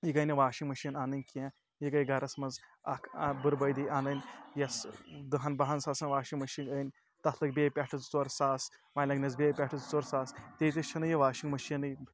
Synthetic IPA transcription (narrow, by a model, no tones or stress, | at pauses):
jikɐnʲɐʋaːʃiŋmɐʃinaːnɨnʲkʲẽ | jikɐjɡɐɾɐsmɐzɐkʰbɨɾbɐjd̪ijaːnɐnʲjɐsd̪ɨɦɐnbɐɦɐnsaːsɐnʋaːʃiŋɡmɐʃiŋɡənʲ | t̪ɐt̪ʰlɨkbʲeːpʲɐʈʰɨt͡st͡soɾsaːsʋajlɐɡnʲɐzbʲeːpʲeʈʰɨzt͡soɾsaːst̪eːt̪ʲit͡ʃʰɐnɨjɐʋaːʃiŋɡmɐʃiɐnɨ